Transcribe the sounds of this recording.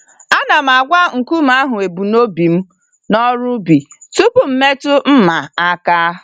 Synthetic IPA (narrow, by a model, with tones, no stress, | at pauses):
a˦na˨m̩˨a˨ɡʷa˦ŋ̩˨ku˦m̩˦a˦ɦʊ˨e˨bu˨no˦bi˨m̩˦ | nɔ˦ɾʊ˦bi˨tu˦pʊ˨m̩˨me˦tʊ˦m̩˦ma˨a˦ka˦